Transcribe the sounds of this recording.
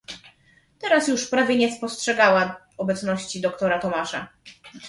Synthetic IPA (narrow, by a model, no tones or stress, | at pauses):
t̪ɛɾasjuʂpɾavʲjɛɲɛspɔstʂɛɡawa | ɔbɛt̪snɔɕt͡ɕid̪ɔkt̪ɔɾat̪ɔmaʂa̰